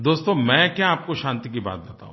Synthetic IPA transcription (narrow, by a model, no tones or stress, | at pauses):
d̪oːst̪õmɛ̃kjaaːp̚koʃãːnt̪ikiba̰ːt̪̚bet̪a̰ɦũ